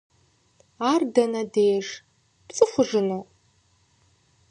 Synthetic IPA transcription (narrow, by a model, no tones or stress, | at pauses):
aːrdɐnɐdeːʐ | pt͡sʼɨχʷʊʐɨnɨ